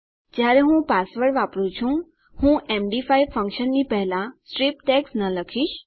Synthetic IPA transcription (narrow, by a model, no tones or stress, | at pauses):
d͡ʒjaɾeɦũpasʋəɽʋapɾũt͡ʃʰũ | hũʔemɖifaiʋfʰə̃ŋkʃənːipəɦlãsʈɾipʈɛksnələkʰiʃ